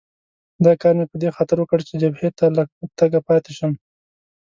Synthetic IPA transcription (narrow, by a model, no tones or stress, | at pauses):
d̪ɑkɑɾnepəd̪exɑt̪əɾwəkəɽt͡ʃed͡ʒabhet̪alat̪aɡapɑt̪eʃən